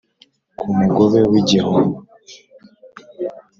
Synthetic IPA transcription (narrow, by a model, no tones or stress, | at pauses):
kʰumuɡoβewiɟaho